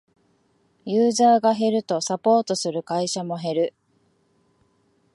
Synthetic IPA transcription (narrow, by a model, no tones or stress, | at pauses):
jɯːzaːɡaɦe̞ɾɯ̟t̪o̞sapo̞ːt̪o̞sɨɾɯ̟kaiɕamo̞ɦe̞ɾɯ̟